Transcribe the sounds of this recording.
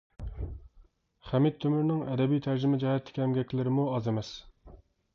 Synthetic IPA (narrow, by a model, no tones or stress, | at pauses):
χæmit̪̚ʰːømyɾnɪŋɛd̪ɛbijt̪ʰæɾd͡ʒɪmɪd͡ʒɛhɛt̪ʰlːɪ̥kʲiɛmɡʲɛkʲlɪɾɪmuɑzemɛs